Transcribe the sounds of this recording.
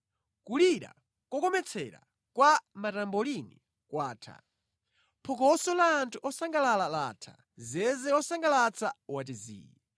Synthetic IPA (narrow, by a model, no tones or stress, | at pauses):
kuliɾa̰ | kɔkɔmɛt͡sʰɛ̰ɾa̰ | kwamatambɔlini | kwaːtʰa̰ | pʰɔk̬ɔsɔlaːntʰuʔɔsaŋɡalalalaːtʰa̰ | zɛzɛɔsaŋɡalat͡sʰawat̬izḭːji